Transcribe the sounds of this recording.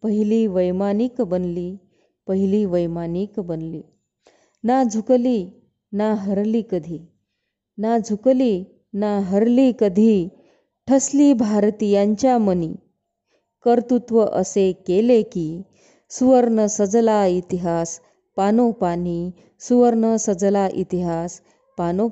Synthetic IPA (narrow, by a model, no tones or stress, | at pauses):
pəɦiliːʋəjmaniːkbənliː | pəɦiliːʋəjmaniːkbənliː | nad͡zʱukliː | naɦəɾliːkəd̪ʱiː | nad͡zʱukliː | naɦəɾliːkəd̪ʱiː | ʈʰəsliːbʱaɾt̪ijãɲt͡ɕjaməniː | kəɾt̪ut̪ʋəʔəsekelekiː | suʋəɾɳəsəd͡zlait̪iɦas | panopaniː | suʋəɾɳəsəd͡zlaʔit̪iɦas | pano